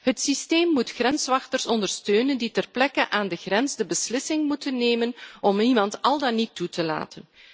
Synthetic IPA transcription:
ɦətsisteːmːutxrɛnsʋɑxtərsɔndərstøːnənditɛrplɛkənʔaːndəɣrɛnzdəbəslɪsɪŋmutənːeːmənɔmimɑntɑlˠdɑnitːutəla̰ːtən

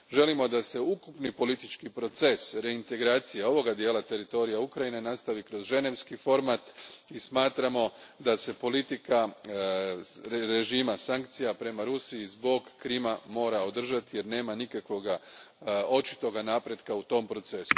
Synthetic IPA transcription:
ʒe̞limo̞d̪ase̞ukupnipo̞lit̪it͡ʃkipɾo̞t̪se̞sɾe̞int̪e̞ɡɾaːt̪sijao̞ʋo̞ɡad̪je̞ːlat̪e̞ɾit̪o̞ɾijaukɾajine̞nast̪aʋikɾo̞zʒe̞ne̞ʋskifo̞ɾmat̪ismaːt̪ɾamo̞d̪ase̞po̞lit̪ika | ɾe̞ʒiːmasaŋkt̪sijapɾe̞maɾusiizbo̞ɡːɾimamo̞ːɾao̞d̪r̩ʒat̪ije̞ɾne̞ːmanikakʋo̞ɡa | o̞t͡ʃi̥t̪o̞ɡanaːpɾe̞d̪kaut̪o̞mpɾo̞t̪se̞su̥

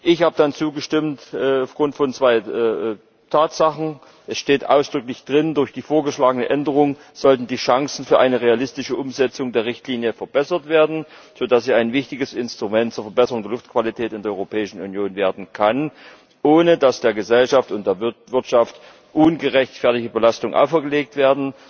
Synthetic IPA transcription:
ʔɪçhaːbədant͡suːɡəʃtɪmtʔɛːaʊfɡ̥ʁʊntfɔnt͡sv̥aɪʔɛː | tʰaːtz̥aχn̩ | ʔɛsʃteːtʔa̰ʊsd̥ʁʏklɪçd̥ʁɪndʊɐçd̥iːfoːɐɡəʃlaːɡənəʔɛndəʁ̞ʊŋ | z̥ɔltn̩diːʃaŋsn̩fyːɐʔaɪnəʁ̞ealɪstɪʃəʔʊmzɛt͡sʊŋdeːɐʁɪçtliːnjəfɛɐbɛsɐtv̥eːɐdn̩ | z̥oːdasziːaɪnvɪçtɪɡəsɪnstʁ̥umɛntt͡suːɐfɛɐbɛsəʁʊŋdeːɐlʊftkv̥alitʰɛːtɪndeːɐɔʏʁopʰɛːɪʃn̩unjoːnveːɐdn̩kʰan | ʔoːnədasd̥eːɐɡəzɛlʃaftʊntd̥eːɐvɪɐtʃaft | ʔʊnɡəʁɛçtfɛɐtɪçtəbəlastʊŋʔa̰ʊfɛɐɡəleːk̚tv̥eːɐdn̩

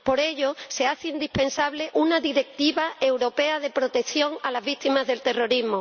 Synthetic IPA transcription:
po̞ɾe̞ʎose̞aθeind̪ipẽ̞nsaβle̞ʔunaðiɾe̞k̚t̪iβae̞wɾo̞pe̞að̞e̞pɾo̞t̪e̞kθjo̞ŋalazβit̪imazðe̞lt̪e̞ro̞ɾiɦmo

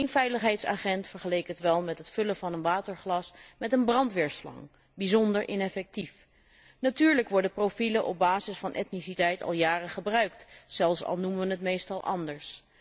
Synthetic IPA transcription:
nfɛjləχɦɛjtsa̰ːχɛntfəɹχəlejkətʋɛlˠmɛtɦətfɵləvɑnənʋaːtəɹχlɑsmɛtənbrɑntʋɪɹslɑ̰ŋ | bizɔndəɹʔɪnɛfɛk̚tif | natyːɹləkʋɔɹdəprofiləʔɔ̰b̚baːzɪsfɑnʔɛ̰tnisitɛjtɑ̰lˠjaːrəχəbrœɥk̚tz̥ɛlˠfsɑ̰lˠnuməʋənɦətmejstɑlˠʔɑ̰ndəɹs

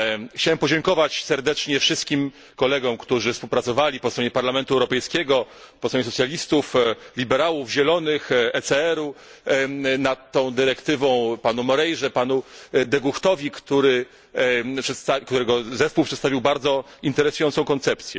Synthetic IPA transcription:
xt͡ɕawɛmpɔd͡ʑɛŋkɔvat͡ɕsɛɾd̪ɛt͡ʂɲɛfʂɘst̪̚kʲim | kɔlɛɡɔ̃mkt̪uʐɘfspuwpɾat̪sɔvalʲipɔst̪ɾɔɲɛpaɾlamɛnt̪uɛwɾɔpɛjskʲɛɡɔ | pɔst̪ɾɔɲɛsɔt̪sjalʲist̪uflʲibɛɾawuvʑɛlɔnɘxɛsɛɛɾu | nat̪ːɔ̃w̃d̪ɘɾɛkt̪ɘvɔ̃w̃panumɔɾɛjʐɛpanud̪ɛɡuxt̪ɔvʲikt̪uɾɘ | pʂɛt̪st̪akt̪uɾɛɡɔzɛspuwpʂɛt̪st̪avʲiwbaɾd̪zɔint̪ɛɾɛsujɔnt̪sɔ̃w̃kɔnt̪sɛpt̪sʲjɛ

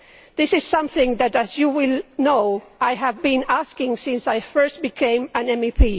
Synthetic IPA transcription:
ðɪsɨz̥sʌ̃mθɪ̃ŋðɨtæzjuwɪlˠnoʊajɦævbĩnæskɪ̃ŋsɪ̃nsajfɜ˞st̚b̥ɨkʰẽɪ̃mɨ̃nɛ̃mipʰi

